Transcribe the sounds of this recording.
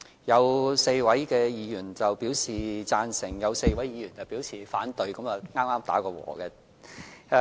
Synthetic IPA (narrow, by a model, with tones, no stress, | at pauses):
jɐ˨˧wse˧jwɐ˨˥jkɛː˧jiː˨˧jyː˨˩nt͡sɐ˨wpiː˨˥wsiː˨t͡saː˧nsɪ˨˩ŋjɐ˨˧wse˧jwɐ˨˥jjiː˨˧jyː˨˩nt͡sɐ˨˩wpi˨˥wsʰiː˨˩faː˨˥nt̪ɵ˨˧ɥkɐ˨˥mjɐ˨wŋaː˥maː˥mt̪aː˨˥kɔː˧wɔ̰ː˨˩kɛ˧